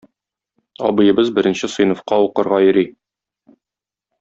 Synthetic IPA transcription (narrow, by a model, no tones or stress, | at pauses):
ɒ̰bɤ̆jɤ̆bɤzbɘ̆ɾɘ̆nɕɘsɤ̆jnŏfqɑuqɤ̆ɾʁɑjɵ̆ɾi